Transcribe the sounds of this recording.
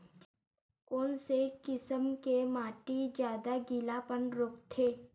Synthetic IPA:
koːnsekɪsəmkemaːʈid͡ʒjaːd̪aɡɪlapənɾoːkt̪ʰeː

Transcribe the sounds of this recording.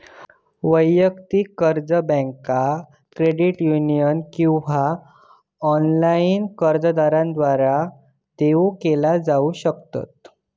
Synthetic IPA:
ʋəjəkt̪iːkəɾd͡zəbə̃ŋka | kɾeɽiʈjunijənkĩw̃ʋa | ɔnlainkəɾd͡zd̪aɾãnd̪ʋaɾa | t̪eukelad͡zauɕəkt̪a̰t̪̚

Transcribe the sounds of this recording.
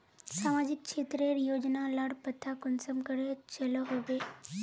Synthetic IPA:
saːmad͡ʒɪk̚t͡ʃʰet̪ɾeɾijoːd͡ʒnalaɽpət̪ʰakʊnsəmkəɾet͡ʃɐləɦoʋe

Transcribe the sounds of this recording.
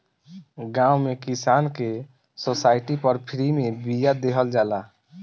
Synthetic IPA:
ɡãːwmekisaːnke | sosaːɪʈipəɾpʰɾimẽbijad̪eɦəld͡ʒaːla

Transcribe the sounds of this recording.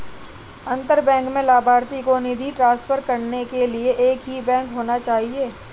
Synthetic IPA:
ɐ̃nt̪əɾbɛ̃ːŋkmẽlaːbʱaːɾt̪ikonɪd̪ʱiʈɾãːsfʰəɾkɐɾnekelieʔeːkɦibɛ̃ːŋkɦoːnat͡ʃaːɦieː

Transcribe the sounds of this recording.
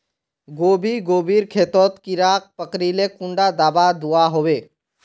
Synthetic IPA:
ɡoːbʱiɡoːbiːɾkʰeːt̪ɔːt̪kiɾaːk̚pəkɾiːlekʊ̃ɳɖad̪aːbad̪uaɦoːweː

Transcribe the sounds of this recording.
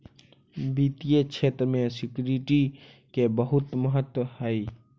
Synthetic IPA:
bit̪ijekt͡ʃʰeːt̪ɾəmẽsɪkjɾiʈi | kebəɦʊt̪məɦət̪wəɦhɛi

